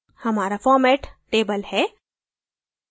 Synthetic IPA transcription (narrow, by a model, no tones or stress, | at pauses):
hɐmaːɾafɔːɾmɛːʈʈeːbəlhɛː